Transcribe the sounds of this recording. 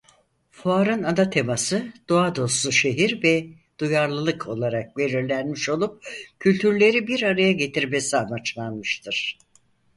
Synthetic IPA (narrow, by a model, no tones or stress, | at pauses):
fuaɾɯnad̪at̪ʰe̞masɯd̪̥oad̪o̞slˠuʃe̞ɦiɾvɛ | d̪̥ujaɾlˠɯlˠɯkʰo̞lˠaɾak̚ve̞ɾiɾlʲænmiʃo̞lˠup̚cʰylʲt̪ʰyɾlʲe̞ɾibiɾaɾajaɟe̞t̪ʰiɾme̞siamat͡ʃlˠanmɯʃt̪ʰɯɾ̥